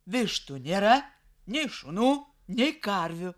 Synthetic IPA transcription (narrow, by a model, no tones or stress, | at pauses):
ʋʲɪʃt̪unʲeːɾɐ | nʲɛɪʃʊnuː | nʲɛɪkɐɾʲʋʲʊ